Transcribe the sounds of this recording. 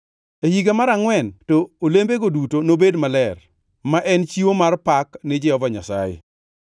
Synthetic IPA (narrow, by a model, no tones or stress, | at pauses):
ehiɡamaɾaŋwɛntɔːlembeɡodutonobedmalɛr | maʔɛnt͡ʃiwomarpaknɪd͡ʒɪɔvaɲa̰sa̰jḛ